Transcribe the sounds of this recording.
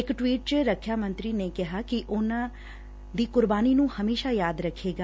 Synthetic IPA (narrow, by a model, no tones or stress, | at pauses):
ɪkʈwiːʈ̚t͡ʃəɾəkʰːjaːmə̃nt̪ɾiːneːkɪɦaːkɪʔʊnãː | d̪iːkʊɾbaːniːnũːhəmeːʃaːjaːd̪ɾəkʰːeːɡaː